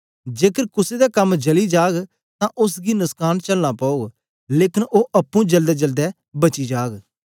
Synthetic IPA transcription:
d͡ʒeːkəɾkʊsed̪aːkəmd͡ʒəliːd͡ʒaːɡ | t̪ãːʔʊs̬ɡiːnʊskaːnt͡ʃəlnaːpaːoːɡ | leːkɪnoːʔɐpːũd͡ʒəld̪ɛːd͡ʒəld̪ɛː | bət͡ʃiːd͡ʒaːɡ

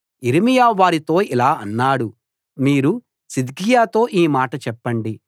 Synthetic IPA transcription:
iɾimijaːʋaːɾit̪o̞ːilaːɐnːaːɽu | miːɾu | sid̪ɡijaːt̪o̞ːʔiːmaːʈɐt͡ʃɛpːɐɳɖi

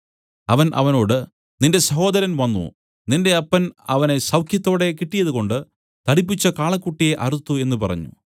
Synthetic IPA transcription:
ɐʋɐnʔɐ̰ʋɐno̞ːɽɨ | ninde̞sɐɦo̞ːd̪ɐɾɐnʋɐnːṵ | ninde̞ɐpːɐnɐ̰ʋɐne̞sɐwkʰjɐt̪ːo̞ːɽe̞kiʈːijɐðuɣo̞ɳɖɨ | t̪ɐɽipːit͡ɕːɐkaːɭɐkːuʈːijeʔɐrut̪ːue̞nːupɐrɐ̰ɲːṵ

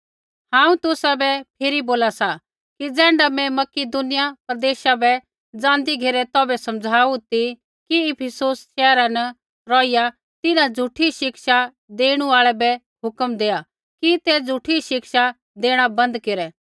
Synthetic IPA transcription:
hãːũt̪ʊsabɛpʰɪɾiboːlasa | kid͡zɛ̃ːɳɖamɛ̃mɐkid̪ʊnɪjapɾd̪eːʃabɛ | d͡zãːnd̪iɡʱeːɾɛt̪ɔːbɛsɐmd͡zʱaːut̪i | kiɪpʰəsoːsʃɛːɾanɐ | ɾɔːɪja | t̪ɪnãd͡zʱuʈʰiʃɪkʃa | d̪eːɽ̃uaːɭɛbɛ | ɦʊkəmd̪eːa | kit̪ɛd͡zʱʊʈʰiʃɪkʃa | d̪eːɽ̃abɐ̃nd̪keɾɛ

